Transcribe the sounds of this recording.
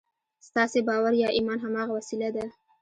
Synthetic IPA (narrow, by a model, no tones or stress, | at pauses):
st̪ɑsebɑwaɾjɑʔimɑnɦamɑɣawasilad̪a